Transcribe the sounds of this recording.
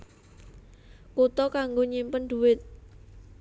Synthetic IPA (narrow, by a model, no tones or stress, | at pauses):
kut̪ɔkaŋɡoɲimpənd̪̥ṳwɪt̪̚